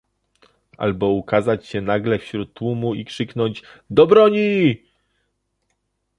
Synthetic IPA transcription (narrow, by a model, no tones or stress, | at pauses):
ʔa̰lbɔukazat͡ɕɕɛnaɡlɛfɕɾut̪ːwumuikʂɘkn̪ɔɲd͡ʑd̪ɔbɾɔɲi